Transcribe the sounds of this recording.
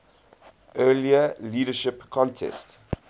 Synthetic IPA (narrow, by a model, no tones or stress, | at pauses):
ʔɜːliəliːdəʃɪpkʰɔ̃ntʰɛ̰st